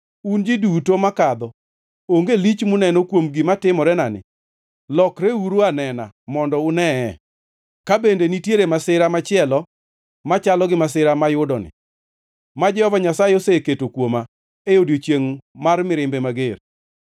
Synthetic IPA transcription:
und͡ʒidutomakad̪ɔ | oŋɡelit͡ʃmʊnɛnokwomɡɪmatɪmɔɾɛnanɪ̰ | lɔkɾeuɾuanɛna̰mɔndɔʊnɛɛ | kabendenitjeɾemasɪɾamat͡ʃɪɛlɔ | mat͡ʃalɔɡɪmas̬ɪɾamajʊdɔnɪ̰ | mad͡ʒɛɔvaɲasaeoseketokwoma | eodjot͡ʃjeŋmarmɪɾɪmbemaɡeɾ

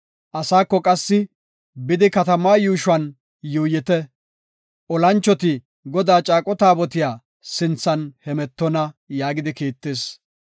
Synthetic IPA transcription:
ʔɐsaːkːɔkʼɐsːɪ | bɪd̪ɪkɐt̪ɐmaːjuːʃʊɐn | juːjɪt̪ɛ | ʔɔlɐnt͡ʃːɔt̪ɪ | ɡɔd̪aːt͡ʃʼaːkʼɔt̪aːbɔt̪ɪjaː | sɪnt͡sːɐnhɛmɛt̪ːɔnɐjaːɡɪd̪ɪkeːt̪ːeːs

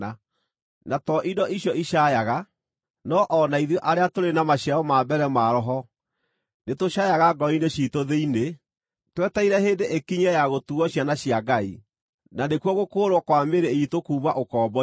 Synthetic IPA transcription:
a | natɔʔidɔʔiɕjɔʔiɕajaɣa | nɔʔɔnaiðjɔʔaɾeatoɾenamaɕiaɔmabɛɾɛmaɾɔɦɔ | netoɕaːjaɣaɡɔineɕitoðeine | twɛtaiɾɛɦeːndeʔekiɲɛjaɣotuɣɔɕjanaɕiaɡai | nanekwɔɣokoːɾwɔkwameɾeitokuːβaʔokɔːbɔ

